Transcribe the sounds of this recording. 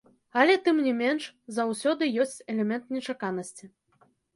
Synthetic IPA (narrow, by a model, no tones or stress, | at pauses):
ɐlʲɛt̪ɨmnʲɛmʲɛnʂzawsʲɔd̪ɨjɔsʲt͡sʲɛlʲɛmʲɛnt̪nʲɛt͡ʂakanɐsʲt͡sʲi